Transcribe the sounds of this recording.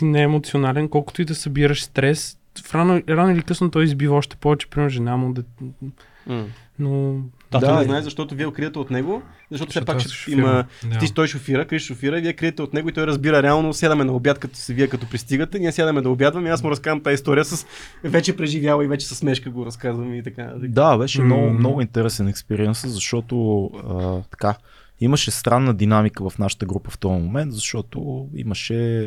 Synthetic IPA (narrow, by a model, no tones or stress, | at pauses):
t̪inɛːmot̪sionalɛnkɔlˠkʊ̥t̪ʊid̪ɐsɐbiɾɐʃst̪ɾɛs | fɾanoɾanʊilikɤsnot̪ɔjizbivɐɔʃt̪ɛ̥pɔvɛt͡ʃɛ̥pɾimɛɾʒɛnamod̪ɛ | no | t̪aɛzɐʃt̪ɔt̪ʊviɛokɾiət̪ɛot̪nɛɡo | zɐʃt̪ɔt̪sɛɛpakʃɛimət̪it̪ɔjʃofiɾəkɾiʃʃofiɾəviɛkɾiət̪ɛot̪nɛɡoit̪ɔjɾɐzbiɾəɾɛalˠnosʲad̪ɐmɛnɐobʲjat̪kɐt̪o̥sɛviɛkɐt̪ɔpɾist̪iɡət̪ɛniɛsjad̪ɐmɛd̪ɐobjad̪vɐmiasmoɾɐskazɐmt̪aist̪ɔɾijəsəs | vɛt͡ʃɛpɾɛʒivjalˠɐivɛt͡ʃɛ̥sɐsmɛʃkəɡoɾɐskazvɐmit̪ɐkant̪d̪abɛʃɛmnɔɡʊmnɔɡʊint̪ɛɾɛsɛnɛkspɛɾiɛnsəzɐʃt̪ɔt̪oət̪ɐ̥ka | iməʃɛst̪ɾanːəd̪inamikəvɐfnaʃə̥t̪əɡɾupəft̪ɔjmomɛnt̪zɐʃt̪ɔt̪oḭməʃɛ